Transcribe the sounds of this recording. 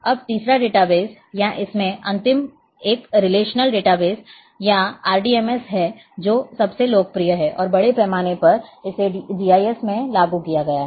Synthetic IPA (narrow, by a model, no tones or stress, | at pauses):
ɐb̚t̪iːsɾaɖeːʈabeːs | jaʔɪsmẽʔɐ̰̃nt̪ɪm | eːkɾɪleːʃnəlɖeːʈabeːs | jaaːɾɖiːɛːmɛsɦɛ | d͡ʒoːsɐbseloːɡ̚pɾijəɦɛːʔɔ̰ːɾbɐɽepɛɦmaːnepɐɾɪseɖiːaːjɛsmẽlaːɡukijaɡɐjaɦ